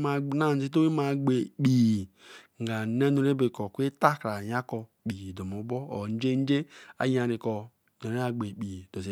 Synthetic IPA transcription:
ma˨na˦˨n̩˦zi˦to˦wi˦ma˨ɡ͡be˨k͡pi˨ | ŋ̩˨ɡa˨˦ne˦nu˨˦ɾe˦be˨kɔ˨kʷe˦ta˦kɾa˨ja˦kɔ˨k͡pi˨do˨mo˨˦bɔ˦o̰˨n˦d͡ʒe˦n˦d͡ʒe˦a̰˨ja˨ni˨kɔ˨ | no˨ɾe˦a˨ɡ͡be˨k͡pi˨d̥o˨ze˨

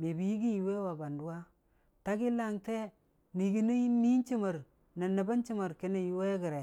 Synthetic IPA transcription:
me˨bi˨˦i˦ɡi˦nji˨we˦wa˨ba˨ndu˦wa˦ | ta˦ɡi˦la˦ŋte˦ | ni˨ɡi˦ni˦ni˦nt͡ʃi˦ma˨ɾ | na˨nə˨ba˦nt͡ʃi˦ma˨ɾki˦ne˨ju˦we˦ɡi˨ɾe˨

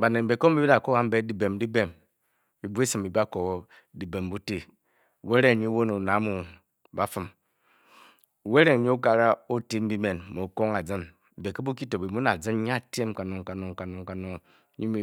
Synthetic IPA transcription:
ba˨ne˨m̩˨be˨ko˦m̩˦i˦bi˦a˨ko˦wa˦m̩˦be˦di˨be˨m˨di˦be˨m | i˨bu˦e˦si˨m˨bi˨bi˦a˦ko˨˦ | di˨be˨m˨bu˦te˦˨ | we˦ɾe˦˨ɲi˦wo˦nu˨na˨˦mu˨ | ba˦fɨ˨m˨ | we˦ɾe˦˨ŋ˨ɲi˦o˦ka˨ɾa˦o˦ti˦m̩˦bi˦me˨n˨mo˨ko˦ŋa˨d͡zɨ˦n̩˨ | be˨ke˦bu˦ki˦to˨bi˨mu˦na˨d͡zɨ˦n˦ɲ˦a˦˨te˦m˦ka˨no˨ŋka˨no˨ŋka˨no˨ŋ˨ka˨no˨ŋ˦ | ɲi˦mi˦

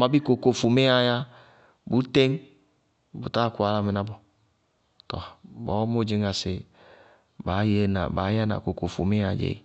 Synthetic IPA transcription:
ma˨bi˦ko˨ko˨fu˨me˦a˧ja˦ | bu˨˦te˦ŋ | bṵ˨ta˦˨ku˨a˨la˧me˨na˦bɔ˨ | tɔ̰˨bɔ˨˦mo˦˨d͡ʒe˧ŋa˨sɪ˨ | ba˨˦je˦na̰˨ba̰ː˨˦ja˦na̰˨ko˨ko˨fu˨me˦a˨d͡ʒḛ˨ḭ˦

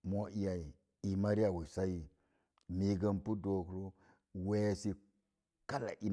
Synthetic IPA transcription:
mo˦ʔi˦ja˨i˨ | i˨ma˦ɾi˦a˨wi˨sa˦ji˨ | mi˨ɡa˦npu˦do˨kɾo˦ | we˦si˦ | ka˦la̰˨ʔi˦

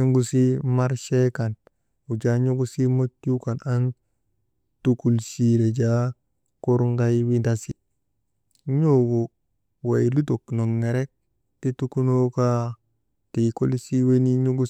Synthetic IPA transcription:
o˦ŋɡu˦si˦ma˦ɾʃe˦ka˨n | u˨d͡ʒa˦ɲo˦ɡu˦si˦mo˦tju˦ka˨na˦n | tu˦ku˨lsi˦ɾe˨d͡ʒa˦ | ko˦ɾŋɡa˦jwi˦da˦si˦˨ | ɲo˦ɡo˨ | wa˨jlu˦to˨kno˨ŋːe˨ɾe˦k̚ | ti˦tu˦ku˦no˦ka˦ | ti˨ko˦lsi˦we˦ni˦ɲo˦ɡu˦

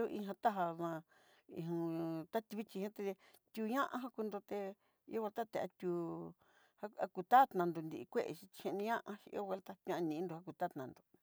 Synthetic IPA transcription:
o˧ʔĩ˧ɦã˧t̪a˦ɦa˧nã˧ | ḭ̃˧˨ũ˧t̪a˦t̪i˧βi˦t͡ʃi˧hẽ˦t̪e˧t̪ʲu˧ɲã˦ʔã̰˧ɦã˦ku˧nd̪o˧t̪e˧ | i˧˦o˦we˧lt̪a˦t̪e˧˨a̰˧t̪ʲu˧ | ha˦a˧ku˧t̪a˦t̪nã˧nd̪o˨˧nd̪i˧i˧kʷe˦ʔḛ˧ʃi˧i̥˧ʃẽ˧nĩ˧ɲã˦ʔã˧ʃi˧ḭ˦o˦we˧lt̪a˦t̪ã˦˧nĩ˧˨˧nd̪o˧ha˦ku˧t̪a˦t̪nã˨nd̪o̥˨

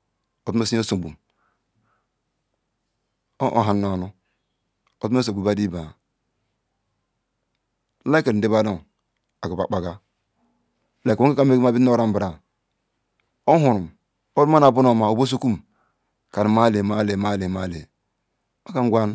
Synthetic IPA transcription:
o˨tu˦me˦si˦o˦so˨bu˨m˦ | ʔo̰˨ɦa˨nːo˨nu˦ | o˨tm˦e˦s̬o˨bu˨ba˦di˦ba˨ | la˦ke˨ɾn˨de˦ba˦do˦ŋ | a˨ko˨ba˨k͡pa˨ɡa˦ | la˨ko˦a˦a˦m˦e˦ɡma˦bi˦o˦ɾa˦m˦bɾa˨ | o˦hu˨ɾu˨m | o˦dma˦na˨bu˦no˨ma˨o˨bo˦s̬o˦ku˦m | ka˨n˨ma˦˨le˨ma˦˨le˨ma˦˨le˨ma˦˨le˨ | o˦ka˦ŋ˦ɡʷa˦n

